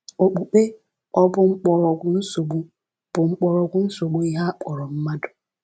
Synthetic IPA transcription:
o˨k͡pu˨k͡pe˦ | ɔ˦bʊ˦ŋ͡m̩˦k͡pɔ˨ɾɔ˨ɡʷʊ˦n̩˦so˨ɡ͡bu˦ | b̥ʊ˨ŋ͡m̩˦k͡pɔ˨ɾɔ˨ɡʷʊ˦n̩˦so˨ɡ͡bo˦i˦ɦa˦k͡pɔ˨ɾɔ˨m̩˦ma˦dʊ˨

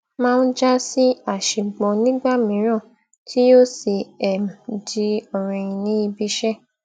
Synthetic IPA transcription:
mãː˦˧n̩˦d͡ʒa˦si˦a˦˨ʃĩ˨ɡ͡bɔ̃˨nĩ˦ɡ͡ba˦˨mĩ˨˦ɾ̃ã˦˨ | tʰi˦o˦si˨ɛ˨mdi˧ɔ˨ɾ̃ĩ˧˨ĩ˧nĩ˨˦i˧bi˧˦ʃɛ˦˨

